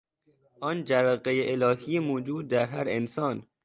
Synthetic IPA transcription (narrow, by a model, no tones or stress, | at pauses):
ʔɒːnd͡ʒævæɣejeʔelɒːhijemoːd͡ʒuːd̪̚ːæɾɦæɾensɒːn